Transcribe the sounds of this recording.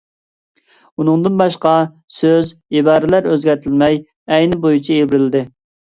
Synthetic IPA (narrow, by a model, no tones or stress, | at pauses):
unɨŋd̪ɨnbɑʃqɑ | søzibɑːɾɪlæɾøzɡʲɛɾt̪ʰɪlmɛj | ɛjnɪbojut͡ʃʰielbɪɾɪlɪd̪ɪ